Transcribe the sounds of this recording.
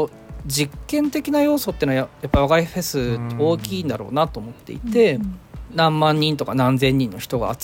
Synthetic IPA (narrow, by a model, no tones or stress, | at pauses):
o | d͡ʑikːẽ̞nt̪e̞kʲinajo̞ːso̞t̪ːenoβaajapːaβaɡaiɸe̞sɨoːkʲiːnd̪aɾo̞̰ːnat̪o̞ːmo̞t̪ːe̞it̪e̞nãmːãɲ̟ːĩnt̪o̞kanãnd͡zẽ̞ɲ̟ːĩnːo̞çi̥t̪o̞ɡa̰ːt͡s